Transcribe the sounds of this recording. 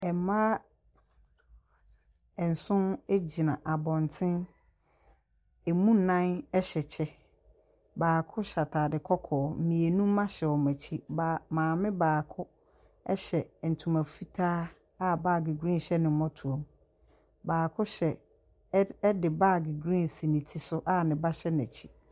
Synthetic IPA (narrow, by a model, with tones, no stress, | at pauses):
ɛ˨mã˦ | ɛ˨n̩˨sʊ̃˦ne˦d͡ʑi˨nã˨ʔa˨bɔ̃˨n˨tʰɪ̃˦n | e˨mũ˦nã˦nɛ˦ɕɛ˨t͡ɕʰɛ˦ | baː˨kʰʊ˦ɕa˨tʰaː˨dɪ˨kʰɔ˦kʰɔː˨˦m̩˨mĩ˨e˨nũ˦m̩˦mã˦ɕɛ˨ɔ˨mæ˨t͡ɕʰi˦ba˨mãː˨mɪ̃˦baː˨kʰʊ˦ | ɛ˦ɕɛ˨n̩˨tʰũ˨mã˨fi˦tʰaː˦ | a˦baː˦˨ɡi˨ɡɾĩ˦n˨ɕɛ˦nɪ̃˨m˦mɔ̃˦tʰu˨õ˨m | baː˨kʰʊ˦ɕɛ˨˦ | dɪ˨baː˦˨ɡi˨ɡɾĩ˦n˨si˨nĩ˨tʰi˦sʊ˦ʔa˦nɪ̃˨ba˦ɕɛ˦n˨æ˨t͡ɕʰi˦